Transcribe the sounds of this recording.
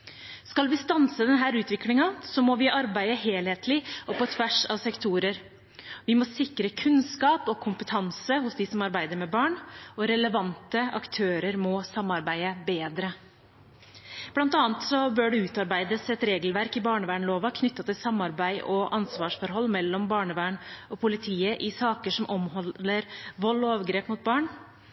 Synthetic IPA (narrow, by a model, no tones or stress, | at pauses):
skɑlʋɪst̪ɑnsəd̪ɛnɦæːɾʉːt̪ʋɪklɪŋɑsɔmɔʋɪʔɑɾbæɪəɦeːlheːt̪lɪɔpɔt̪ʰʋæʂɑ̰ʋsɛkt̪ʰuːɾəɾ | ʋɪmɔsɪkɾəkʰʉnskɑːpɔkʰʊmpət̪ʰɑnsəhʊsd̪isɔmɑɾbæɪd̪əɾmɛbɑːɳɔɾɛləʋɑnt̪əɑ̰kt̪ʰøːɾəɾmɔsɑmːɑɾbæɪəbeːd̪ɾə | b̥lɑnt̪ɑːnt̪sɔbøːɖɛʉːt̪ɑɾbæɪd̪əsɛt̪ɾeːɡlʋæɾkɪbɑːɳəʋæːɳloːʋɑkʰnʏt̪ːɑt̪ɪlsɑmːɑɾbæɪʔɔʔɑnsʋɑːʂfɔɾɦɔlːmɛlːɔmbɑːɳəʋæːɳɔpʰʊlɪt̪ʰiːəʔɪsɑːkəʂɔmʔɔmhɔəɾʋɔlːɔɑːʋɡɾeːpmʊt̪̚bɑːɳ